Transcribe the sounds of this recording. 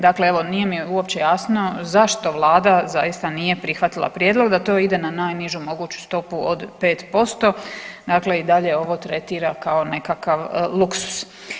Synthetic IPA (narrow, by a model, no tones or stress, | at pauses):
d̪akle̞eʋo̞nije̞mijeuo̞pt͡ɕe̞jaːsno̞zaʃt̪o̞ʋlˠaːd̪azajist̪anije̞pɾixʋat̪ilˠa̰pɾjeːd̪lˠo̞ɡd̪at̪o̞ːid̪e̞nanaːjniʒumo̞ɡuːt͡ɕu̥st̪o̞puod̪pe̞ːt̪po̞st̪o̞d̪akle̞id̪aʎe̞o̞ʋo̞t̪ɾe̞t̪iːɾakao̞ne̞kakaʋlˠuksu̥s